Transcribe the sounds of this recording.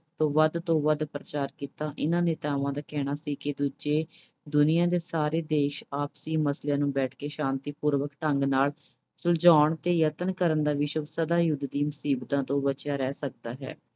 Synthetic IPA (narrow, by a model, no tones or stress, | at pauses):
t̪õːʋəd̪t̪õːʋəd̪pɾət͡ʃaːɾkiːt̪aːʔɪnãːneːt̪aːʋãːd̪aːkɛːɽ̃aːsiːkɪd̪uːd͡ʒeː | d̪ʊnɪjãːd̪eːsaːɾeːd̪eːʃaːpsiːməsljãːnũːbɛːʈʰkeːʃãːnt̪iːpuːɾʋəkʈəŋɡnaːl | sʊld͡ʒaːɳt̪eːjət̪ənkəɾənd̪aːʋɪʃəksəd̪aːjʊd̪d̪iːmʊsiːbt̪ãːt̪õːbət͡ʃjaːɾɛːsək̚d̪aːɦɛ̰ː